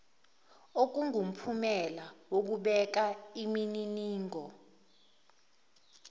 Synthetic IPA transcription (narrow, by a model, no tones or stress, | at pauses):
ok̬uŋʱum̩pʰumɛlawok̬uɓɛk̬aimininiːŋɔ